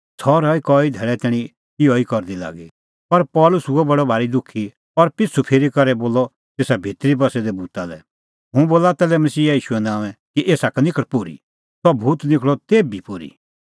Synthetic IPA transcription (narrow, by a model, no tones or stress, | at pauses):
t͡sʰɔɾɔikɔːid̪ʱɛːɭɛt̪ɛːɽ̃ĩ | iɔikɔɾd̪ila̰ːɡi | pɐɾpɔːlʊsuɛbɐɽɔbʱaːɾid̪ʊkʰːi | ɔɾpɪt͡sʰupʰeːɾikɐɾɛboːlɔ | t̪eːsabʱeːt̪ɾibɐsɛd̪ɛbuːt̪alɛ̰ | ɦʊ̃boːlat̪ɛːlɛmɐsiːaiːʃuɛnãːʋ̃ɛ̃kiʔeːsaknɪkʰəɽpʊɾḭ | sɔbʱuːt̪nɪkʰɭɔt̪eːbipʊɾḭ